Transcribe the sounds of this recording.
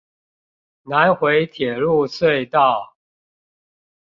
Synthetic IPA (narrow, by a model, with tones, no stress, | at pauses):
na˨˦nxwe˧˦˥ɪt̪ʰjɛ˨˩lu˥˧swe˥˧ɪt̪ɑ˥˨ʊ